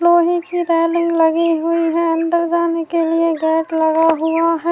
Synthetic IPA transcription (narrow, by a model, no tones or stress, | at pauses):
loːɦĩkiɾɛːlɪ̃ŋɡlɐɡiɦʊiɦɛɐ̃nd̪əɾd͡ʒaːnekelieɡɛːʈlɐɡaɦʊaɦɛ